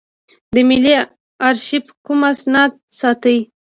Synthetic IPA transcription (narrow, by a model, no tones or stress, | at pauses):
d̪əmɪli | aɾʃipəkumasnɑd̪̚sɑt̪əj